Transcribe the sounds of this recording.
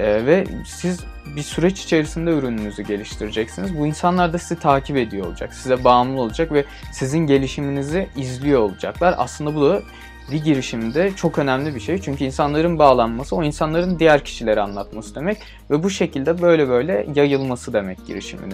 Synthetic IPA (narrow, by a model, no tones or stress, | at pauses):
ɛːvɛsiz | bisyɾɛt͡ʃi̥t͡ʃʰe̞ɾisind̪ɛyɾynynyzyɟe̞lʲiʃt̪ʰiɾid͡ʒɛcsinizbuinsanlˠaɾd̪asizit̪ʰaːcʰipe̞d̪ijo̞lˠud͡ʒa̰ksizɛbaːmlˠɯo̞lˠud͡ʒakvɛ | sizinɟe̞lʲiʃiminiziizlʲijo̞ːlˠud͡ʒa̰klˠaɾa̰slˠɯnd̪abud̪a | biɟiɾiʃimd̪ɛt͡ʃʰo̞kø̞næmlʲibiʃejt͡ʃʰyɲcʰyinsanlˠaɾɯnbaːlˠanmasɯo̞insanlˠaɾɯnd̪ijæɾcʰi̥ʃilʲe̞ɾianlˠat̪masɯd̪e̞mɛc | vɛbuʃe̞cʰilʲd̪ɛbø̞jlʲɛbø̞jlʲɛjajɯlˠmasɯd̪e̞mɛc̚ɟ̥ḭɾḭʃḭmḭn